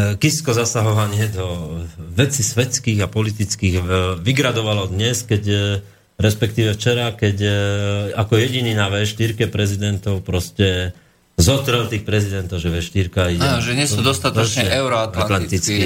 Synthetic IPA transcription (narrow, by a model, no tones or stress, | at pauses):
kiskɔzasaɦɔʋaɲɪɛd̪ɔʋɛt͡sisʋɛt͡skiːɣapɔlit̪it͡skiːɣʋiɡɾad̪ɔʋalɔd̪ɲɛskɛc | ɾɛspɛkt̪iːʋɛft͡ʃɛɾakɛc | akɔjɛɟininaʋɛsʃt̪iɾkɛpɾɛzid̪ɛnt̪ɔʊpɾɔscɛ | zɔt̪ɾɛlt̪iːxpɾɛzid̪ɛnt̪ɔʊʒɛʋɛʃt̪iɾkaiɟɛʒɛɲɪɛsud̪ɔst̪at̪ɔt͡ʃɲɛɛɛʊɾɔat̪lalant̪it͡ski